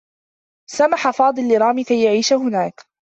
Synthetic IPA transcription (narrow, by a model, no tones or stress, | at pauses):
samaħafɑːd̪ˤɨlːɪɾˤɑːmikajːaʕiːʃahʊnaːk